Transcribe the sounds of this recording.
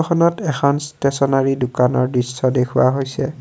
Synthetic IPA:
xɔnɔtɛxʰɔnstesɔnaɹidʊkanɔɹdɹisːɔdekʰuwaɦojsɛ

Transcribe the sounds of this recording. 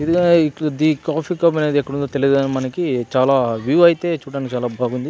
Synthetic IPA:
id̪iɡɐikd̪ikaːpiːkɐbɐne̞ːd̪iɛkːɐɽund̪ot̪eliɐd̪anɐmɐnɐkit͡ʃaːlaːʋjuːɐjit̪e̞ːt͡ʃuːɽaːnikit͡ʃaːlaːbʱaːɡund̪i

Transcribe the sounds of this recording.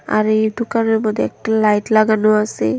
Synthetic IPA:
a̰ɾid̪ukanɔɹmɔd̪ʱːeɛk̚ʈalajʈlaɡanoase

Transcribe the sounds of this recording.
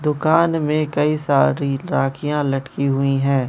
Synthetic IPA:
d̪ʊkaːnmẽkɐisaːɾiɾaːkʰijãlɐʈkiɦʊiɦɛ̃ː

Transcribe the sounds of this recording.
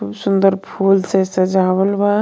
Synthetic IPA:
ubsʊnd̪əɾpʰuːlsesɐd͡ʒaːwəlba

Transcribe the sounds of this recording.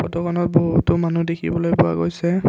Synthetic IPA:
pɔtɔkɔnɔt̚bɔɦutʊmanudekʰḭbɔlojbʊwa̰ɡojsɛ

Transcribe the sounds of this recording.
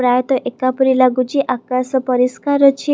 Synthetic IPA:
ɾajt̪əʔekapɾilaɡud͡ʑiʔakasəpəɾiskaɾət͡ɕʰi

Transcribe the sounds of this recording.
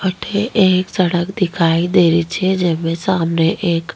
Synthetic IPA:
əʈʰeʔeːksəɽəkd̪ɪkʰaːid̪eːɾit͡ʃʰed͡ʒɛːmẽsaːmneʔeːk

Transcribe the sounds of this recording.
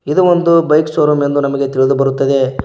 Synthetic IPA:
id̪uond̪ubɐjkst͡ʃoːɾume̞nd̪unɐmɐɡe̞t̪iɭid̪ubɐɾut̪ːɐd̪e̞

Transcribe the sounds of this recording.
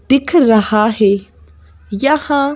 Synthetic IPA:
d̪̥ɪkʰɾɐhaɦeː | jɐhã

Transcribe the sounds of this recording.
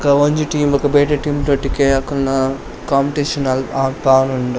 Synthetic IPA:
kɐʋoɲd͡ʒiʈiːmɐkɐbeːʈɐʈiːmt̪oʈːikeɐkːɐlnɐ | kaːmpiʈeːʃɐnɐlaːkaːnuɳɖ

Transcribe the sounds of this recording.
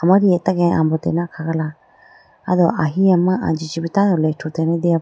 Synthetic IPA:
amãɾiet̪akẽʔã̰mbot̪ḛnãkʰakala | aðoʔaɦiãmãʔa̰nd͡ʒit͡ʃiβit̪ãjoleitʰut̪enẽd̪ia

